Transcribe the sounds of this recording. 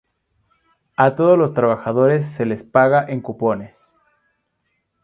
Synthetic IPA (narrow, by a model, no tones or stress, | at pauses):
at̪o̞ð̞ozlo̞st̪ɾaβaxaðo̞ɾe̞sːe̞le̞spaɣaʔeŋkupo̞ne̞s